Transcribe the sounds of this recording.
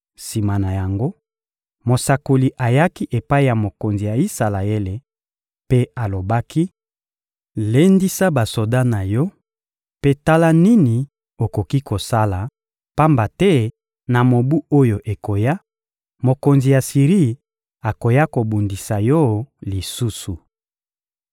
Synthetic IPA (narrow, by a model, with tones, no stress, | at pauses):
si˨ma˨na˨ja˨ŋɡo˦ | mo˨sa˨ko˨li˨ʔa˨ja˦ki˦ʔe˨pa˦i˦ja˨mo˨ko˨nzi˨ja˨i˦sa˨la˨e˦le˨ | pe˦a˨lo˨ba˦ki˦ | le˦ndi˦sa˦ba˨so˨da˦na˨jɔ˦ | pe˦ta˦la˦ni˦ni˨ | o˨ko˨ki˦ko˨sa˦la˨ | pa˦mba˨tɛ˦ | na˨mo˨bu˦o˦jo˨ʔe˨ko˨ja˦ | mo˨ko˨nzi˨ja˨si˨ʁi˦˨ | a˨ko˨ja˦ko˨bu˨ndi˨sa˨jɔ˦li˨su˦su˨